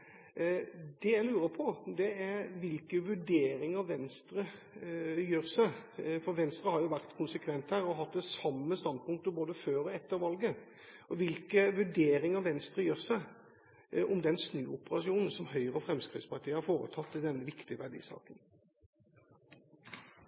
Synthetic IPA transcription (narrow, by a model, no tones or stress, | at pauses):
d̪ɛæɪlʉːɾəpʰɔd̪ɛæɾʋɪlkəʋʉɖeːɾɪŋəʋɛnst̪ɾə | jøːɾsæɪfɔɾʋɛnst̪ɾəhɑɾjʊʋæʁt̪kʰʊnsəkʰʋɛnt̪hæːɾɔɦɑt̪ːəsɑmːəst̪ɑnd̪̚pʊŋk̚t̪əboːd̪əføːɾɔɛt̪ːəɾʋɑlɡə | ɔʋɪlkəʋʉɖeːɾɪŋəʋɛnst̪ɾəjøːʁsæɪ | ʔɔmd̪ɛnsnʉːʊpəɾɑʂɪuːnn̩sɔmɦœʏʁəɔfɾɛmskɾɪ̰ːt̪spɑʁt̪ʰiːəhɑɾfoːɾə̰t̪ʰɑt̪ːɪd̪ɛnːəʋɪkt̪ɪəʋæɖḭːsɑ̰ːkən